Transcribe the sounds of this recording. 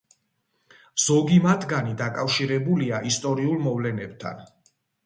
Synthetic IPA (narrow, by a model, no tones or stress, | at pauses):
z̥ɔɡimat̪ʰɡanid̪akʼafʃiɾɛbuliaʔist̪ʼɔɾiulˠmɔvlɛnɛb̥̚t̪ʰa̰n